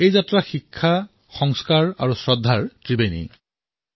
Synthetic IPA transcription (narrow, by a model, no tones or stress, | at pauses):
ejzatɹaxikʰːa | xɔŋskaɹaɹusɹɔdʱːaɹtɹibejnḭ